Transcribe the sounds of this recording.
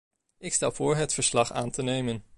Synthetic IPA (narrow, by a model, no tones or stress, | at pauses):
ɪkstɛlˠvoːɹɦətfəɹslɑχaːntənejmən